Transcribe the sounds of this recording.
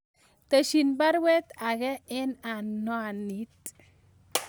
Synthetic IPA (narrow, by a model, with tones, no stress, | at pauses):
t̪e˨ʃi˨nba˦ɾwɛ˦t̪a˨ɣɛ˦ɪ˦na˨nːɔ˦a˨ni˦t̪̚